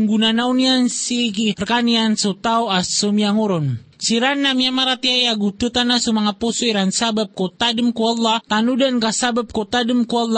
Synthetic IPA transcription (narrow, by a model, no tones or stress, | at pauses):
ŋɡunanauniansikirkaniansot̪aoasomiaŋuɾɔnsiɾanːamiamaɾat̪iajaɡut̪ut̪anasumaŋaposuiɾansabap̚kot̪adəmkualːat̪anudankasabap̚kot̪adəmkualːa